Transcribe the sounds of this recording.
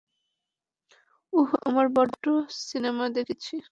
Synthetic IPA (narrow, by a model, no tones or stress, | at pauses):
uɦa̰maɾbɔɖosinemad̪ekʰit͡ɕʰi